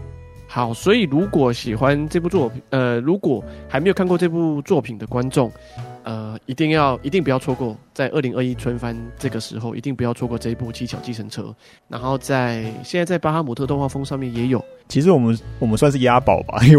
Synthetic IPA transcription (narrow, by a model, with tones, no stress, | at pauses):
xɑ˨˩˦ʊswɔ˧˥i˨˩ɻu˧˥kwɔ˨˩˦ɕi˨˩xwa˦nʈ͡ʂɤ˥˧p̬u˥˧˩t͡swɔ˥˩pʰə˧ɻu˧˦˥kwɔ˨˩ha˧˥me˧˥jkʰkwɔ˥˧ʈ͡ʂɤ˥˧pu˥˧t͡swɔ˥˩pʰi˨˩nd̪ə˦kwa˦nʈ͡ʂʊ˥˩ŋ | ə˩i˧˥t̪i˥˧ŋjɑ˥˩ʊʔi˧˥i˥˩ŋpu˧jɑ˥˩ʊt͡sʰɔ˥kwɔ˥˩t͡sa˥˧ɪʔə˥˩li˧˥ŋʔə˥˩i˦˥t͡sʰə˥nfa˦nʈ͡ʂɤ˥˩ɡə˩ʂɻ̩˧˥xo˥˩ʊʔḭ˧t̪i˥˩ŋpu˧˥jɑ˥˩t͡sʰɔ˥kwɔ˥˧ʈ͡ʂɤ˥˧i˧˥pu˥˩t͡ɕʰi˥t͡ɕʰjɑ˨˩ʊt͡ɕi˥˩ʂʰə˧˥ŋʈ͡ʂʰɤ̰˥ | na̰˧˥nxo˥˧ʊt͡sa˥˩ɪɕjɛ˥˧nt͡sa˥˧ɪt͡sa˥˩ɪpa˥xa˥mu˨˩t̪ʰɤ˥˧˥ŋxwa˥˩fɤ˥ŋʂɑ˥˧ŋmjɛ˥˨˩njɛ˧˥jo˨˩ʊt͡ɕʰi˧˥ʂɻ̩˧˥wɔ˨˩mə˦nwɔ˨˩mə˦nswnʂ̬̩˥˩ja˦˥pɑ˨˩ʊba̰˨